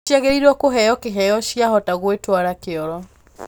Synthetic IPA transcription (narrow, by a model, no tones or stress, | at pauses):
iaɣeɾiɾwɔkoɦɛjɔkeɦɛjɔɕjaɦɔtaɣwetwaɾakeɔɾɔ